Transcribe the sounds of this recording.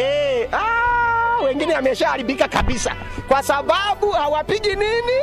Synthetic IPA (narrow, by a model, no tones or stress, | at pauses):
ɛa | wɛŋɡinɛamɛʃahaɾiɓikakaɓisa̰kwasaɓaɓuhawapiʄinini